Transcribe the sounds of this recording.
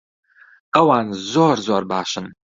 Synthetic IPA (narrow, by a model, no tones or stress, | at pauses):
qɐwaːnzoːrzorbaːɕɪn